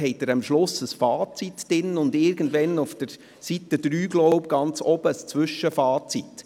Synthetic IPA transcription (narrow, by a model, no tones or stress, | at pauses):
hɛɪt̚dəɾɑmʃlʊsəsfɑːt͡sitd̥ɪnʊndɪɾɡəndʋɛnʊfd̥əɾ | sitəd̥ɾyːɡlɔʊp̚ɡ̥ɑnt͡sɔb̥əst͡svʏʃəfɑːt͡sit